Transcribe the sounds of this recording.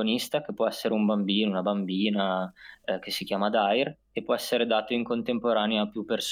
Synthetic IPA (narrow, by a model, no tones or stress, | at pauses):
onist̪ak̟epːwɔɛsːeɾeumbambiːnounabambiːna | k̟esːikjaːmad̪ajr | epːwɔɛsːeɾed̪aːt̪oiŋkont̪empoɾaːneaːpjupːers